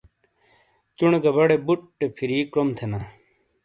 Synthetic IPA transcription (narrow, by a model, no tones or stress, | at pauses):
t͡ɕuɳɡɐbɐɽebuʈːepʰiɾiːkɾomt̪ʰena